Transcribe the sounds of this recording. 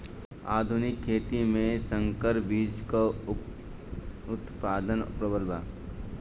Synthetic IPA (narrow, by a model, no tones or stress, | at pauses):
aːd̪ʱʊnɪkʰːeːt̪imẽsə̃ŋkəɾbiːd͡ʒko | ʊt̪paːd̪ənpɾəbəɾbʱaː